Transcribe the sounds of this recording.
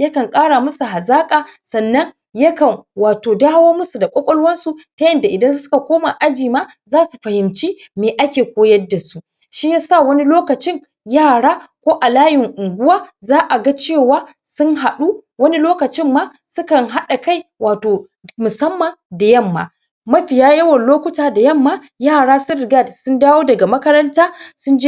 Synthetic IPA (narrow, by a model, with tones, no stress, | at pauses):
jɐ˦kɐ˨ŋkʼaː˦ɽa˨mʊ˦su˨ɦa˨zaː˦kʼaː˨sɐ˨nːɐ˦ŋ | jɐ˦kɐ˨ŋwaː˨toː˨daː˦woː˦mʊ˦su˨da˨kʷʼɔ˦kʷʼɔ˦lwɐ˦nsu˨tɐ˦jɐ˨nda˨ʔɪ˨dɐ˦nssʊ˦ka˨kʷoː˦ma˨ʔa˦d͡ʒiː˨maː˦ | zaː˦su˨ɸɐ˨hɪ˨mt͡ʃiː˦ | meː˨ʔa˦kʲeː˨kʷoː˦jɐ˦da˨su˦ | ʃi˦jaː˦sa˦˨wɐ˦ni˦loː˦kɐ˨t͡ʃɪ˦ŋ | jaː˦˨ɽaː˦kʷoː˦ʔa˨laː˦jɪ˨ŋʔʊ˨ŋɡʷʊ˦waː˦zaː˦ʔa˨ɡa˦t͡ʃeː˦˨waː˦ | sʊ˦ŋɦa˨ɗu˦ | wɐ˦ni˦loː˦kɐ˨t͡ʃɪ˦mːaː˦ | sʊ˦kɐ˨ŋɦa˦ɗa˨ka˦˨jwaː˨toː˨ | mʊ˨sɐ˦mːa˨da˨jɐ˦˨mːa̰ː˨ | mɐ˦ɸɪ˨jaː˦jɐ˦wɐ˨nloː˦kʷʊ˦taː˨da˨jɐ˦˨mːaː˦ | jaː˦˨ɽaː˦sʊ˦nɾɪ˨ɡa˦˨tsʊ˦ndaː˦woː˦dɐ˨ɡa˨mɐ˦kɐ˦ɾɐ˦ntaː˦sʊ˦nd͡ʒe˦